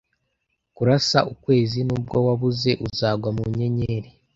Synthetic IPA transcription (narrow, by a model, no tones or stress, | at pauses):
kuɾasa̰ʔukwe̞ːzinub̚ɡo̞waβuze̞ʔuzaːɡwamuɲe̞ɲe̞ːɾe